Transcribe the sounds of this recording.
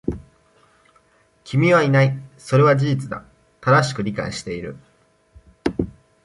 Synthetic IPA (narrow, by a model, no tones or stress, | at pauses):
kʲʰimʲiβainaiso̞ɾe̞βad͡ʑiʑit͡sɨd̪a̰ | t̪ad̪aɕi̥kɯ̟ɾʲika̰iɕi̥t̪e̞iɾɯ̟̰